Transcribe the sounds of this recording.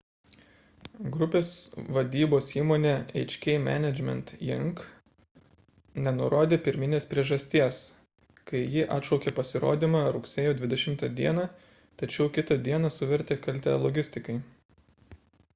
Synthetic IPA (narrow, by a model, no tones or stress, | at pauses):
ɡɾʊpʲeːsʋɐd̪ʲiːboːsiːmoːnʲeːɛ̰ɪt͡ʃʲkʲɛɪmʲæ̰ːnʲɛd͡ʒʲmʲɛ̰nt̪jɪŋk | nʲɛnʊɾoːd̪ʲeːpʲɪɾʲmʲɪnʲeːspʲɾʲiɛʒɐsʲt̪ʲiɛs | kɐɪjɪʔɑ̰t̪ʃɐʊkʲeːpɐsʲɪɾo̰ːd̪ʲiːmɑɾʊksʲeːjoːd̪ʲʋʲɪd̪ʲɛʃʲɪmt̪ɐd̪ʲiɛnɑ | t̪ɐt͡ʃʲɛʊkʲɪt̪ɐd̪ʲiɛnɐsʊʋʲɛɾʲt̪ʲeːkɐlʲt̪ʲɛlˠɔɡʲɪsʲt̪ʲɪkɐɪ